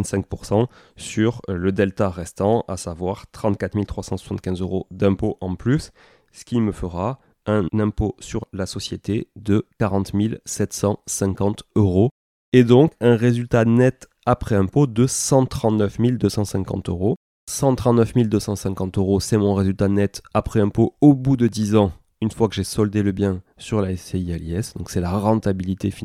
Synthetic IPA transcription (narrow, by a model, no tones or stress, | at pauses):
t̪sɛ̃ŋk̚puʁsɑ̃ | syʁləd̪ɛlt̪aʁɛst̪ɑ̃a̰savwaʁt̪χɑ̃t̪kat̪χmilt̪χwasɑ̃swasɑ̃t̪kʲɛ̃zøʁod̪ɛ̃poʔɑ̃plys | ə̥kʲiməfəʁa | ɛ̃nɛ̃posyʁlasɔsjet̪ed̪əkaʁɑ̃t̪milsɛt̪sɑ̃sɛ̃kɑ̃t̪øʁo | ed̪ɔ̃kɛ̃ʁezylt̪anɛt̪ | apχɛɛ̃pod̪əsɑ̃t̪χɑ̃t̪nœfmild̪øsɑ̃sɛ̃kɑ̃t̪øʁo | sɑ̃t̪χɑ̃t̪nəfmild̪øsɑ̃sɛ̃kɑ̃t̪øʁosɛmɔ̃ʁezylt̪anɛt̪apχɛɛ̃poobud̪əd̪izɑ̃ | ynfwakəʒesɔld̪eləbjɛ̃syʁlaɛseiɛlɛsd̪ɔ̃ksɛlaʁɑ̃t̪abilit̪efi